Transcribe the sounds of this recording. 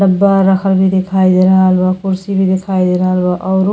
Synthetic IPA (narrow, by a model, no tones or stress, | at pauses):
əbːaːəkʰəlbʱid̪ekʰaid̪eɾəɦəlbakuɾsibʱid̪ekʰaːid̪eɾəɦəlbaʔɔːɾ